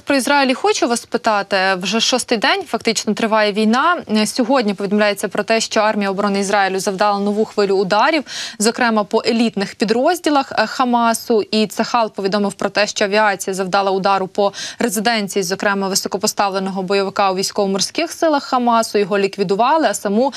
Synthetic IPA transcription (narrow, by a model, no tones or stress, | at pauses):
pɾɔizrɑjilʲixɔt͡ʃʊʋɐspɪt̪ɑt̪ɪwʒɛʃɔst̪ɪjd̪ɛnʲfɐkt̪ɪt͡ʃnɔt̪ɾɪʋɑjɛʋʲijnɑsʲɔɦɔdʲnʲipɔid̪ɔmlʲajet͡sʲːɐpɾɔt̪ɛʃt͡ʃɔɑrmʲijɐɔbɔɾɔnɪizɾɑjilʲʊzɐwd̪ɑlˠɐnɔʋuxʋɪlʲʊːd̪ɑɾʲiwzɔkɾɛmɐpɔʔelʲit̪nɪxpʲid̪ɾɔzʲdʲilˠɐxxɐmɑsʊʔit̪sɐxɑlˠpɔʋʲid̪ɔmɪwpɾɔt̪ɛʃt͡ʃɔɐʋʲiɑt͡sʲijɐzɐwd̪ɑlˠɐʊd̪ɑɾʊpɔrezɪd̪ɛnʲt͡sʲijizɔkɾɛmɐʋɪsɔkɔpɔst̪ɑʋlˠenɔɦɔbɔjɔʋɪkɑwʋʲijsʲkɔʋɔmɔrsʲkɪxsɪlˠɐxːɐmɑsʊjɔɦɔlʲikʋʲid̪ʊʋɑlˠɪɐsɐmu